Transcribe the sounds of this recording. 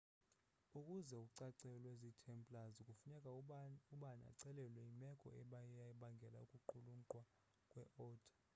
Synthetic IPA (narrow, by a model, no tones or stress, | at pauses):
ukʼuzɛuǀaǀɛlwezitʰɛmpʼlaziukʼufunɛkʼauɓana̰ǀɛlɛlwɛimɛkʼɔ̰ɛɓajjaɓaŋɡʱɛla̰ukʼuǃuluǃwa | kʼwɛʔɔːtʰʼḁ